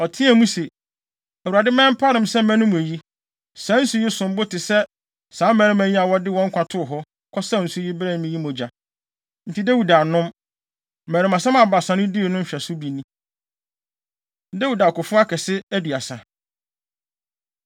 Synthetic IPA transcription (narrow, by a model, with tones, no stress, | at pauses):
ɔ˨tʰɪ̃˦æ˨mũ˦se˨ | æ˨u˨a˨dɪ˦mɛ̃˦m˦pʰa˦ɾɪ̃˨msɛ˦mɛ̃˦nʊ̃˦m˨æ˨ji˦ | sãː˨˦n̩˦sʊ˦ji˦sʊ̃˨m˦bʊ˦tɪ˨sɛ˦ | sãː˨˦mɛ̃˨˦ɾɪ̃˦mæ̃˨ɲĩ˦a˨wɔ˦dɪ˦wɔ̃˦ŋ̩˦kʷʰã˨tʰʊ˦ʊ˨ɦɔ˦ | kʰɔ˦sa˦n̩˨sʊ˦ji˦bɾɛ˦ñ˨˦mĩ˦ji˦mɔ̃˨d͡ʑa˨ | n̩˨tʰi˨˦dæ˦wu˨da˨nʊ̃˦m | mæː˨ɾɪ̃˨mã˨sã˦mã˨ba˨sã˨nʊ̃˦di˦˨nʊ̃˦m̩˦ɕᶣɛ˨sʊ˦bi˨nĩ˦˨ | dæ˦wu˨da˨kʊ˨fʊ˦a˦kʰɛ˨sɪ˦æ˦du˨a˨sa˨